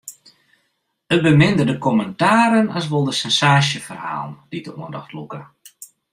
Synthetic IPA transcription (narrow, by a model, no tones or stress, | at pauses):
ət̚bəmɪndərdəkɔməntaːɾənɔs̬ʋolˠdəsɛnsaːʃjəfərha̰ːlˠnd̥idəuəndɔ̰xtlukə